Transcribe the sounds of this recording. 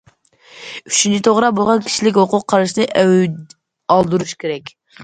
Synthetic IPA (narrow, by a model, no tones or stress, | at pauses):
yt͡ʃynt͡ʃʰit̪ʰoʁɾɑbolˠʁɑnkʲʰi̥ʃilɪkʲhoqʊqʰːɑɾɨʃnɨʔ | ɑlˠd̪uɾuʃkʲeɾɛkʲ